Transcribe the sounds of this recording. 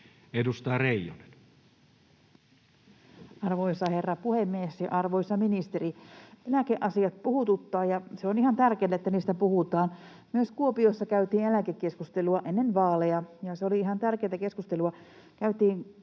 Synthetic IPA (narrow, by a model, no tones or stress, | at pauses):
edust̪ɑɑreˑijole̥n | ɑrʋoisɑherːɑpuhemːiesjɑ̰ʔɑrʋoisɑminist̪eɾielækeʔɑsiɑt̪puhut̪ut̪ːɑːjɑseoniɦhɑnt̪ærkeːt̪æet̪ːæniːst̪æpuhut̪ɑːn | myøskuopijosːɑkæyt̪iːnelækekːˑe̞skust̪eluɑʔenːenʋɑːlejɑjɑseo̞liiɦɑnt̪ærkejt̪æke̞skust̪e̞luɑ | kæyt̪iːn